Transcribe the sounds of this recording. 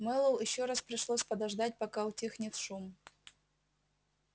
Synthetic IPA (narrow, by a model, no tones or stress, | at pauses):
mɛlˠolˠjɪɕːoɾaspɾʲɪʂlˠosʲpɐd̪ɐʐd̪at̚ʲpɐkaʊtʲixnʲɪt̪ʂum